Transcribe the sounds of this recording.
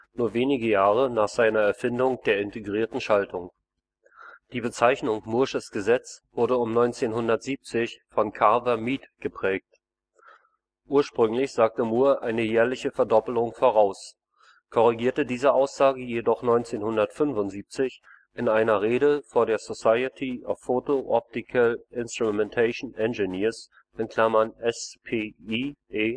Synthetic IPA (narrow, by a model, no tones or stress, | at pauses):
nuːɐveːnɪɡəjaːʁ̞ənaːχz̥aɪnɐɛɐfɪndʊŋd̥eːɐɪnteɡʁiːɐtn̩ʃaltʰʊŋ | d̥iːbət͡saɪçnʊŋmʊɐʃəsɡ̥əzɛt͡sv̥ʊɐɾəʊmnɔʏnt͡seːnɦʊndɐtz̥iːp̚t͡sɪçfɔnkʰaɐvɐmiːtɡ̥əpʁ̥ɛːk̚t | ʔuːɐʃpʁ̥ʏŋlɪçz̥aːk̚təmuːɐʔaɪnəjɛːɐlɪçəfɛɐdɔpl̩ʊŋfoːʁaʊs | kʰɔʁiɡiːɐtədiːzəʔaʊsz̥aːɡəjedɔχnɔʏnt͡seːnhʊndɐtfʏnvʊntz̥iːp̚t͡sɪç | ʔɪnʔaɪnɐʁeːɾəfoːɐdeːɐzosaɪətʰiʔa̰fːotoʔɔp̚tɪkʰalʔɪnstʁ̥umɛntʰaɪʃn̩ʔɛnʒəniːɐs | ʔɪnkʰl̥amɐnʔɛspʰeːieː